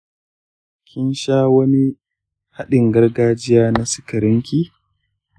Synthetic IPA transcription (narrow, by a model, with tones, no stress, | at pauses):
kʲɪ˦nʃaː˦wɐ˦ni˦ | ha˦ɗɪ˨ŋɡɐ˦rɡaː˦d͡ʒɪ˦jaː˦na˦sɪ̥˦kɐ˨ɾɪ˦ŋkʲiː˦